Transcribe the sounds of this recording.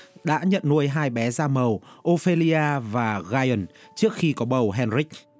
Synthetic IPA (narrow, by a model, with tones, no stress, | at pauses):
ɗa̰ː˧˥ɲə̰˧˨nnu˧əjɦaː˧jɓɛ˨˦zaː˧mə˨˩wʔo˧fe˧li˧aː˧vaː˨˩ɣaː˧jə˨˩nt͡ɕɨ˦˥ək̚xi˧kɔ˨˦ɓə˨˩wɦɛ˧nri˦˥k̚